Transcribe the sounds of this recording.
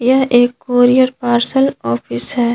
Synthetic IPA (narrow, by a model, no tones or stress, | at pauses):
jɐɦʔeːkːoːɾijəɾpaːɾsəlɔːpʰɪsɦɛː